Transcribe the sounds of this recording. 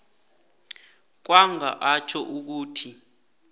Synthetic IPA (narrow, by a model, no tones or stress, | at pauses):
k̬waŋa̰ʔat͡ʃʰɔʔuk̬uːtʰi